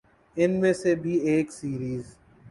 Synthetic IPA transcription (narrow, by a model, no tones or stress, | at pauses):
ɪnmẽsebʱieːksiːɾiːz